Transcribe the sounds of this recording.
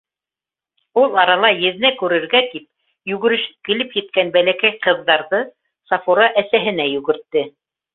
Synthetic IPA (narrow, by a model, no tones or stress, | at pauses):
ulˠɑɾɑlˠɑjɘ̆ðnækʉɾɘ̆ɾɡæt̪ip̚ | jʉɡɘ̆ɾɘ̆ʃɘ̥p̚kɘ̆lɘpjɘ̆t̪̚kænbælækæjqɤ̆ðːɑɾðɤ | sɑfuɾɑʔæsæɦɘ̆næjʉɡɘ̆ɾt̪ːɘ